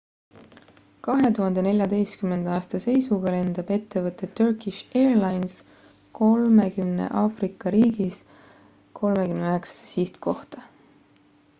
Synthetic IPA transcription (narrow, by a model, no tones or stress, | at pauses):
kɑɦe̞t̪uɦɑnd̪ene̞lʲjɑd̪e̞jst̪kyme̞nd̥̪ɑːst̪ɑse̞jsuɡ̥ɑle̞nd̪̥ɑb̥e̞t̪ːe̞vɤt̪ːˑe̞t̪ːørkˑiʃe̞ːrlɑjns | ko̞lme̞kymne̞̰ʔɑːfrikːˑɑɾiːɡ̥is | kʰo̞lme̞kymneøeksɑ̥se̥siht̪kʰo̞ht̪ɑ